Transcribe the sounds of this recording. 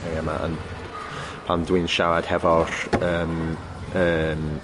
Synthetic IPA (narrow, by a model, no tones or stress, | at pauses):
ejama̰ʔə̰n | pʰandwɨnʃawad̥hɛvɔr̥əːm | əːm